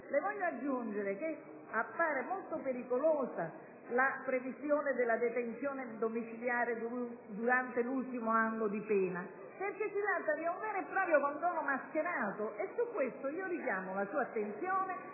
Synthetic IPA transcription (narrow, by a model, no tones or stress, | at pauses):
levɔʎːoad͡ʒːund͡ʒeɾek̟e | apːaːɾemolt̪opeɾikolɔːza | lapɾevisjɔːned̪ɪlːad̪et̪ent̪sjɔːnɪd̪omit͡ʃiljaːɾed̪ud̪uɾant̪elult̪imoanːod̪ipɛːna | perkesːit̪ɾat̪ːad̪iuɱvɛːɾepːɾɔːpɾjokɔnd̪ɔːnomask̟eɾaːt̪oʔesːukːwest̪oiːoɾikjaːmolasuːat̪ːent̪sjɔːne